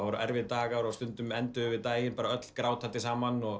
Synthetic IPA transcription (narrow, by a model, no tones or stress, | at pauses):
avɔɾʏʔɛɾvɪðt̪aːɣaɾɔast̪ʏnt̪ʏmɛnt̪ʏʏvɪðt̪aːjɪnpaːɾaœt̪l̥kɾaːwt̪hat̪ːɪsaːmanɔɣ